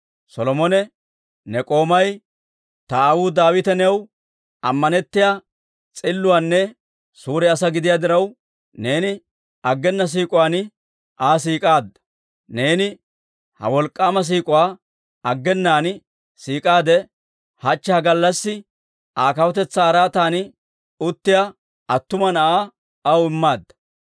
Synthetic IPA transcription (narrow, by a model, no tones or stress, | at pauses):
sɔlɔmɔnɛ | nɛkʼo̞ːmɐj | t̪ɐːwud̪aːwɪt̪ɛnɛw | ɐmːɐnɛt̪ːɪja | t͡sʼɪlːʊwaːnːɛ | suːɾɛɐsɐɡɪd̪ɪjad̪ɪɾɐw | ne̞ːnɪ | ɐɡːɛnːɐs̬iːkʼʊwaːn | ʔaːs̬iːkʼaːd̪ːɐ̥ | ne̞ːnɪ | hɐ̰wɔlkʼːaːmɐs̬iːkʼʊwaː | ɐɡːɛnːaːn | siːkʼaːd̪ɛ | hɐt͡ʃːɐhɐɡɐlːɐsːɪ | ʔaːkɐwɔt̪ɛt͡sːaːɾaːt̪aːn | ʊt̪ːɪja | ɐt̪ːʊmɐnɐʔaː | ɐwɪmːaːd̪ːɐ̥